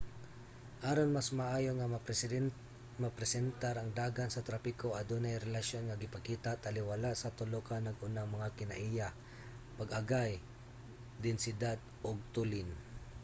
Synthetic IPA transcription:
ʔaːɾonmasmaʔaːjoŋa | mapɾɛsɛnt̪aɾɐŋd̪aːɡansɐt̪ɾapɪkoʔɐd̪unajɾɛlaʃonŋaɡɪpɐkiːt̪at̪alɪwalaʔsɐt̪ʊlokanɐɡʔʊnaŋmɐŋakɪnaʔija | paɡɐɡaj | d̪ɪnsɪd̪ad̪̚ | ʔoɡ̚t̪ulɪn

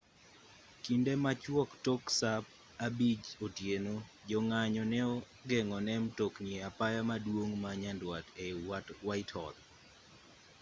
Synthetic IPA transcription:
kindemat͡ʃwɔktoksap̚ | abid͡ʒotjeno | d͡ʒɔŋaɲɔnɛɔ | ɡɛŋɔnɛmtoknieapajamadwoŋmaɲandwatewatwaitʰhɔ̰d̪

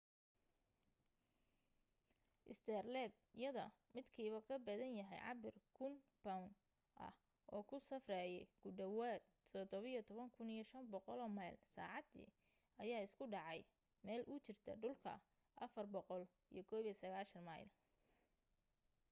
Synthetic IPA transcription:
ʔɪst̪ʰɛrlɛːd̪̚ | ɪjɐðɔ̰mɪd̪kʰiːβɐkʰɐbɐðɐnjɐɦɛ̰jʕɑ̰bɪrkʰʊnb̥awn | ʔɐ̰h | ʔɔːkʰʊsɐfrɛːjɛjɡ̥ʊɖɐwaːd̪̚ʰɔd̪ɔβɐjɞt̪ʰɔβɐŋkʰʊnijɞʃɐnbɔqɔlɔːmɐjlsa̰ːʕɑd̪ḭː | ʔɐjaːɪskʰʊɖɑʕɑj | mɛːlʔʊt͡ʃɪrt̪ʰɐ̰ɖʊlkʰɐ̰ | ʔɐfɐrbɔqɔl | ḭjɔkʰɔːβisɐɣaːʃɐnmɐjl

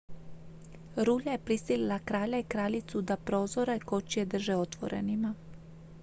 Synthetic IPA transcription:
ɾuːʎaje̞pɾisililakɾaːʎaikɾaːʎit̪sud̪apɾo̞ːzoɾeko̞t͡ʃied̪r̩ʒeo̞t̪ʋo̞̰ɾḛnima

